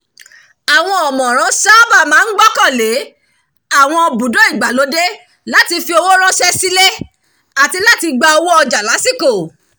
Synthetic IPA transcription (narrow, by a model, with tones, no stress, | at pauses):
a˨w̃ɔ̃˧ɔ˨mɔ̃˨ɾ̃ã˨˦sa˦ba˦˨mãː˨˦n̩˦ɡ͡bɔ˦kã˦˨le˨˦ | a˦˨w̃ɔ̃˧ɔ˧bu˨do˦i˦˨ɡ͡ba˨lo˨˦de˦ | la˦ti˧fi˧o˧wo˦ɾ̃ɔ̃˦ʃɛ˦si˦le˦ | a˨ti˧la˦ti˧ɡ͡ba˧ɔ˧wo˦ɔ˧d͡ʒa˨la˨˦si˦˨ko˦˨